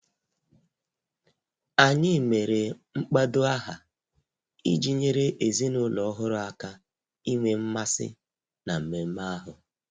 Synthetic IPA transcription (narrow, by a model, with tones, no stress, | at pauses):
a˨ɲɪ˦˨me˨ɾe˨ŋ͡m̩˦k͡pa˦dʊ˦a˦ɦa˨ | i˦d͡ʒi˦ɲe˦ɾe˦ʔe˨zi˦nʊ˦lɔ˨ɔ˦ɦʊ˦ɾʊ˦a˨ka˦ | i˦ŋʷe˦m̩˦ma˦sɪ̰˦ | na˨m̩˨me˨m̩˦ma˦a˦ɦʊ˨